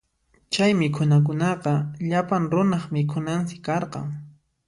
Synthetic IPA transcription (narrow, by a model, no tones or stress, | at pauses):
t͡ʃajmɪkʰʊnak̬ʊnɑqɑʎapaŋɾʊnɑχmɪkʰʊnansɪ̥kːɑɾqɑ̰ŋ